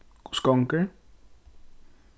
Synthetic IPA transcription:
ku̥skɔŋke

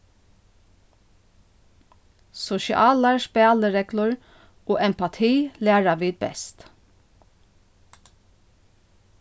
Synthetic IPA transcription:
sɔʃɪ̰ʔɑːlɑʃpæɑːləɹɛklʊɹ | oːʔɛmpɑt̪ʰiːlæːɹɑʋiːd̪̚bɛ̰st̪

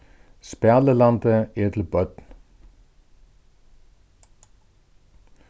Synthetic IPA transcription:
spæləlɑnd̪əet̪ʰl̩bœt̪n

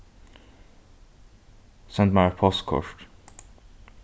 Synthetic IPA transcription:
sɛ̃nt̪mapʰɔskʰɔ̰ʃʈ

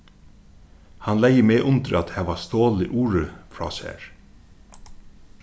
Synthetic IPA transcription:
hɑnlæɪəmeːʔʊnt̪ɾəɑt̪hæːʋɑst̪oːlɪʔuːɹəfɹɑ̰ːsæ̰ːɹ

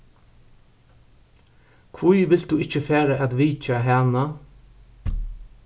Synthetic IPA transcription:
kʰʋʊjʋɪld̪̥ʉːɪc͡çəfeːɾəʔɑd̪ʋiːc͡çɑɦæːnɑ

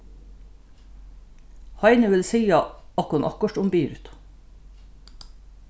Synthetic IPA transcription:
hɑɪnəʋɪlsiːɑɑt̪hʊnʔɑ̰kɔʈʊmbiːɾʉt̪

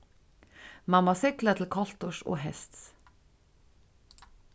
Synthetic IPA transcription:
mɑmɑsɪklət̪ʰl̩kʰɔlt̪ʊʃo̰ːhɛst̪s

